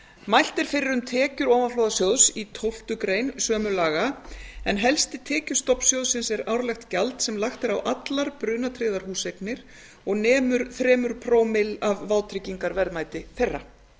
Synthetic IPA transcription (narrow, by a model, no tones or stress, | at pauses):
majl̥t̪ɪɾ̥fɪɾɪɾʏmt̪ʰɛːcʏɾɔːvaflɔːwðasjowðsit̪ʰowl̥t̪ʏkɾeːjnsœːmʏlaːɣaɛnɦɛlst̪ɪt̪ʰɛːcʏst̪ɔpn̥sjowðsɪnsɛɾawɾlɛxt̪calt̪sɛmlaxt̪ɪɾawʔat̪laɾpɾʏːnat̪ʰɾɪːðaɾ̥huːsejknɪɾ̥ | ɔɣnɛːmʏɾ̥θɾɛːmʏɾ̥pʰɾoːwmɪlavːaːwt̪ʰɾɪciŋkaɾvɛɾðmaːjt̪ɪθejrːa